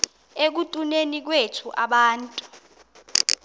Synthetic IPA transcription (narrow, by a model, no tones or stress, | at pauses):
ek̬utʼunenik̬wetʰuʔaɓaːntʼu